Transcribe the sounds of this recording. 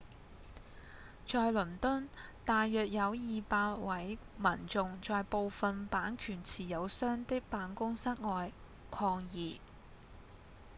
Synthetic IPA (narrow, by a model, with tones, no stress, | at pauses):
t͡ʃɔː˨˧jlɵ˨˩nt̪ʊ˥nt̪aː˨jːœː˨k̚jɐ˨˧wjiː˨paː˧t̚wɐ˨˥jmɐ˨˩nt͡sʊ˨˧ŋt͡ʃɔː˨jpo˨wfɐ˨npaː˨˥nkʰyː˨˩nt͡sʰiː˨˩jɐ˨˧wsœː˥ŋt̪ɪ˥k̚paː˨˥nkʊ˥ŋsɐ˥t̚ŋɔː˧j | kʰɔː˧ŋjiː˨˩